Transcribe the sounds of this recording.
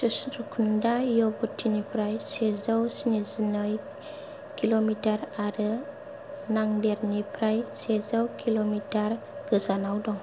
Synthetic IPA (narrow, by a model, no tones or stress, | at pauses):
səsɾukʰundajobətʰːinipɾajsezawsinizənɔj | kilomitaɾaɾə | naŋdɛɾnipɾajsezawkʰilomitar | ɡ̥əzanawdɔŋ